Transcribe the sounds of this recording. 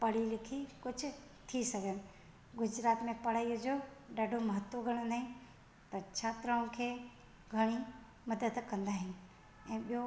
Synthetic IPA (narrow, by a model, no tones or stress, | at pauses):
pɐɽ̤ilɪkʰikʊd͡ʒʰʊ | t̪ʰisɐɡən | ɡʊd͡ʒɾaːt̪mẽpɐɽaːiod͡ʒoɖaːɖʱomɐɦət̪woɡʱɐɽ̃õnd̪aːɦĩ | t̪ɐt͡ʃʰat̪ɾaũkʰeː | ɡʱɐɽ̃i | mɐd̪əd̪kɐ̃nd̪aːɦɪnɪ | ɛ̃ːɓijo